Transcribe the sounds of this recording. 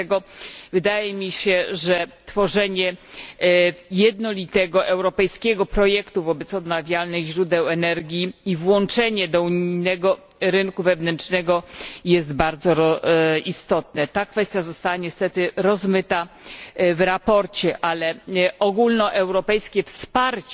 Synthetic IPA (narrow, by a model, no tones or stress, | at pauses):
ɛɡɔvɘd̪ajɛmʲiɕɛʐɛt̪fɔʐɛɲɛ | jɛd̪nɔlʲit̪ɛɡɔʔɛwɾɔpɛjskʲɛɡɔpɾɔjɛkt̪uvɔbɛt̪sɔd̪navʲjalnɘɣʑɾud̪ɛwɛnɛɾɡʲjiivwɔnt͡ʂɛɲɛd̪ɔuɲiijnɛɡɔ | ɾɘnkuvɛvnɛnt͡ʂnɛɡɔjɛst̪baɾd̪zɔɾɔist̪ɔt̪nɛt̪akfɛst̪ʲjazɔst̪awaɲɛst̪ɛt̪ɘɾɔzmɘt̪a | vɾapɔɾt͡ɕɛʔalɛʔɔɡulnɔʔɛwɾɔpɛjskʲɛfspaɾt͡ɕ